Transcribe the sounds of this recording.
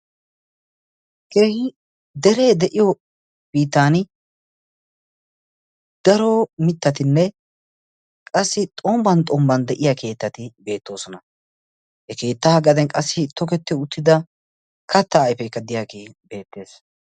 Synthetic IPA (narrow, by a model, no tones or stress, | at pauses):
keːhɪ | d̪ɛɾe̞ːd̪ɛʔɪjɔ | b̥iːt̪ːaːn | d̪̥ɐɾomɪt̪ːɐt̪ɪnːɛ | kʼɐsːɪt̪ʼɔmbɐnt̪ʼɔmbɐnd̪ɛʔɪjakʰe̞ːt̪ːɐt̪ɪbe̞ːt̪ːo̞ːsɔnɐ | hɛke̞ːt̪ːaɐɡɐd̪ɛnkʼɐsːɪt̪ːɔkɛt̪ːɪʊt̪ːɪd̪ɐ | kʰɐt̪ːɐːjpɛɪkːɐd̪ɪjaːkebe̞ːt̪ːe̞ːs